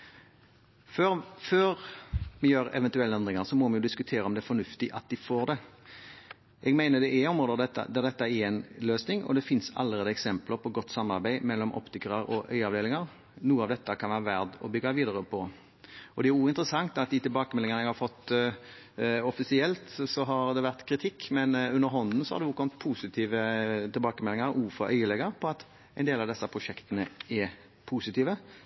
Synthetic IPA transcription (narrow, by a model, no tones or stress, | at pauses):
føføːɾmɛjøːɾɛ̰ʋɛnt̪ʉɛlːəɛnd̪ʁɪŋəʁsɔmɔmɛnjʊd̪ɪskʉt̪ʰeːɾəɔmd̪ɛfɔnʉft̪ɪʔɑt̪̚d̪ɪfoːd̪ɛ | ʔɛɡmæɪnəd̪ɛʔæɔmɾoːd̪əd̪ɛt̪ːə̰d̪æʁd̪ɛt̪ːɑɛɛɪnløːsnɪŋɔ̰d̪ɛfɪnsɑ̰lːəɾeːd̪əɛksɛmpləɾpʰɔɡɔt̪ːsɑmːɑɾbæɪmɛlːɔmʔɔ̰pt̪ɪkəɾəɾɔʔœ̰ʏɑʋd̪eːlɪŋəɾ | nuːəɑːʋd̪ɛt̪ːəkʰɑnʋæːɾəʋæʁd̪ɔ̰bʏɡːɑʋiːd̪əɾəpʰɔ | ɔd̪ɛæɾuːɪnt̪ɾəsɑŋt̪ɑt̪̚d̪ɪt̪ɪlbɑːkəmɛlːɪŋənəɛɡhɑɾfɔt̪ː | ɔfɪsɪɛlt̪sɔɦɑɾd̪ɛʋæʁt̪kʰɾɪt̪ʰɪkːmɛnʉnːəɾɦɔnd̪n̩sɔhɑ̰d̪ɛuːkʰɔmət̪̚pʰuːsɪt̪ʰiːʋət̪ɪlbɑːkəmɛlɪŋəɾuːfɔʔœʏəlɛɡəɾpʰɔɑt̪ | ɛɪndeːlɑʋd̪ɛsːəpʰɾʊʂɛkt̪ənəɛ | pʰusɪt̪iːʋə